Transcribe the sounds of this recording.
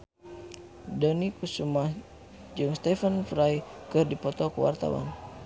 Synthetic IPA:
dɔnikusumah | d͡ʒɨŋst̪ɛfənfɾajkɨrdipɔt̪ɔkəwa̰rt̪a̰wa̰n

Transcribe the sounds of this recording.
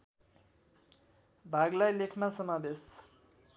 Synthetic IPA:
bʱaɡlajlekʰmasʌmabes

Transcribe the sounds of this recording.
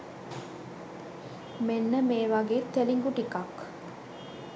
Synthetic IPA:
menːəmeːʋaɡeːt̪ːeliŋɡuʈikak

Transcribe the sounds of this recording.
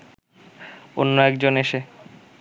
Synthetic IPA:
o̰nːoɛkd͡ʑoneʃe

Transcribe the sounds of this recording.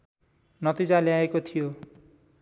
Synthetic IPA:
nʌt̪id͡zaljaekot̪ʰijo

